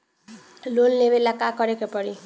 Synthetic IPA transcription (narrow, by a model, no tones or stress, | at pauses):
lonlebelakakɔɾekepɔɾi